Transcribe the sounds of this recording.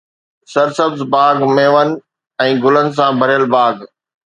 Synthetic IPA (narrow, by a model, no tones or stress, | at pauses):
sɐɾsɐbzbaːɡmeːʋənɪ̆ | ɛ̃ːɡʊlənɪ̆s̬ãbʱɐɾijəlbaːɡ